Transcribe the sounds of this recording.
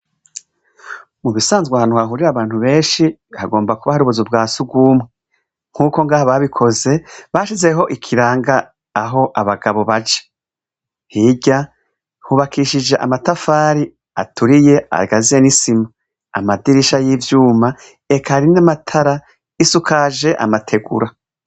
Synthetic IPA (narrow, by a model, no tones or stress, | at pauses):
muβisaːnzɡwahanuhaɦuɾiɾaβaːnhuβe̞ːnʃihaɡo̞ːmbakuβahaɾuβuzub̚ɡaːsuɡwuːmwe | ŋ̥huːko̞ŋɡaːhaβaβikʰo̞ze̞βaːʃize̞ɦo̞ʔikʰiɾaːŋɡaː | ɦo̞ʔaβaɡaβoβat͡ʃe̥ | hiɟa | huβakʰiʃid͡ʒe̞ʔa̰matafaːɾi | a̰tuɾije̞a̰ɡazijenisima | a̰madiɾiʃajivjuːma | ekʰaɾinamatʰaɾa | isukʰaʒe̞ʔa̰matʰe̞ɡṵɾa